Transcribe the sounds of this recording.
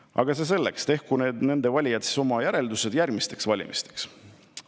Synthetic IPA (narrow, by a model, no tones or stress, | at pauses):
ɑ̰ɡ̥ɑs̬e̞s̬e̞lːekst̪e̞hkuneːd̪ne̞nd̪e̞vɑlʲijɑt̪e̥so̞mɑjæɾe̞ld̪use̞d̪jærɡmist̪e̞̥ksvɑlʲḭmʔist̪e̥ks